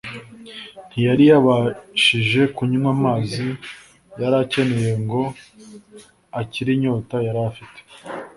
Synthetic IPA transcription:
n̥hijaɾijaβaʃiʒe̞kuɲumwamaːzi | jaɾace̞ne̞je̞ŋɡo̞ | aciɾiɲo̞ːtajaɾafite̥

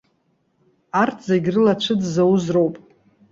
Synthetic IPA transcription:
artʰzeɡʲrɨlat͡ʃʷʰɨdzawuzrowpʼ

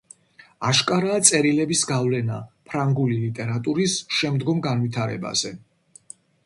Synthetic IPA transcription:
aʃkʼaɾaːt̪sʼɛɾilɛbisɡavlɛnapʰɾaŋɡulilit̪ʼɛɾat̪ʼuɾisʃɛmd̪ɡɔmɡanvit̪ʰaɾɛ̰ba̰z̥ɛ

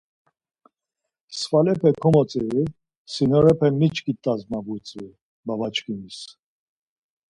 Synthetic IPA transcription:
sfalɛpʰɛkʰɔmɔt͡sʼɛɾi | sinɔɾɛpʰɛmit͡ʃʰkit̪ʼːazmabut͡sʼvi | bavat͡ʃkʰinis

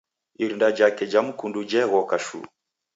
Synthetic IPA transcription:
iɾindad͡ʒakɛd͡ʒamukundud͡ʒɛɣɔkaʃṵ

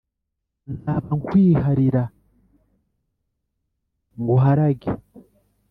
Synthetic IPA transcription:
naːβaŋkwiːhaɾiɾa | ŋɡuɦaɾaɡi

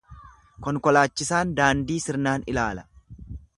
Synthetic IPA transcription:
kɔŋkɔlaːt͡ʃːɪsaːnd̪aːnd̪iːsɪɾnaːnɪ̰laːlɐ̥

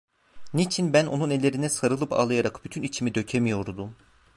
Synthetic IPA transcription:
nit͡ʃʰinbænonunelʲe̞ɾinɛsaɾɯlˠɯpʰa̰lˠɯjaɾakbyt̪ʰynit͡ʃʰimid̪ø̞cʰemijo̞ɾd̪um

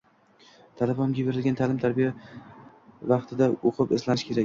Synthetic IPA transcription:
t̪ʰalɪbɒmɡʲajbeɾɪlɡʲant̪ʰalɪmt̪ʰaɾbija | vɑqt̪ʰɪd̪aoqʰɨpɪslanɪʃkʲʰe̞ɾak

